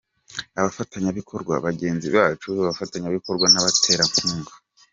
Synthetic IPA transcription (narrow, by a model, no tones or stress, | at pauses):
aβafataɲaβikʰo̞ɾɡwa̰βaɡe̞ːnziβaːt͡ʃuaβafataɲaβiko̞ɾɡwanaβatʰe̞ːɾaɱfuːŋɡa